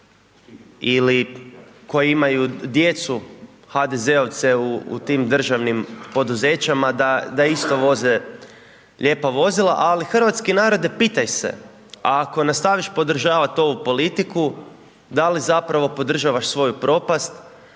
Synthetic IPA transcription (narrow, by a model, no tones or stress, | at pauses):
ili | ko̞jeimajud̪jet̪su | xad̪eze̞oʋt̪seṵːt̪iːmd̪r̩ʒaʋnimpo̞d̪uze̞ːt͡ɕamad̪ad̪aist̪o̞ʋo̞ze | ʎe̞ːpaʋo̞zilˠa̰ʔalixr̩ʋat̪skenaːɾo̞d̪epit̪ajsḛ | ako̞nast̪aːʋiʃpo̞d̪r̩ʒaːʋat̪o̞ʋupo̞lit̪iku | d̪alizapɾaʋo̞po̞d̪r̩ʒaʋaʃsʋo̞jupɾo̞past̪